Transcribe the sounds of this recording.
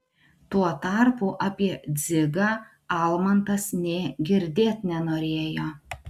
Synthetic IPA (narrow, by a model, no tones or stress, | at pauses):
t̪uɔt̪ɑˑɾpuːʔɐpʲiɛd̪zʲɪɡɑː | ɑlˠmɐnt̪ɐsnʲeːɡʲɪɾʲd̪ʲeːt̪ʲnʲɛnoːɾʲeːjoː